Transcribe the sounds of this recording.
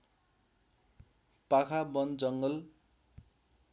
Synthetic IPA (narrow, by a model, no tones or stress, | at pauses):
pakʰabʌnd͡zʌŋɡʌl